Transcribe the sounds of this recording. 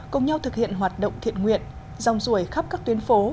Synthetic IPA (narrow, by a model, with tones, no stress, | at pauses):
kʊ˧ŋ͡mɲa˧wt̪ʰɨ˨˩k̚hḭ˧˨ənɦwaː˨˩t̚ɗə̰˧˨wŋ͡mt̪ʰḭ˧˨ənŋwḭ˧˨ən | za̰˨˩wŋ͡mzu˧˩əjxa˦˥p̚kaː˦˥kt̪wi˨˦ənfo˨˦